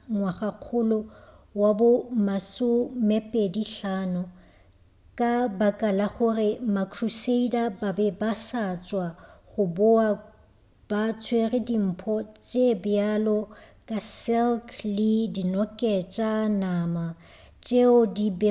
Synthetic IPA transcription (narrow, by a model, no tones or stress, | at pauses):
ŋwaχaq͡χʰʊlɔwabʊmasʊmɛpʼediɬaːnʊ | kʼabakʼalaɣʊrɪmakʰruseidababɛbasat͡ʃʼwaɣʊbʊa | b̥at͡sʰwerɪdim̩ːpʰɔt͡ʃʼebɪalɔkʼasɛlkʰlɪdinɔkʼɛt͡ʃʼanaːma | t͡ʃʼeʊdib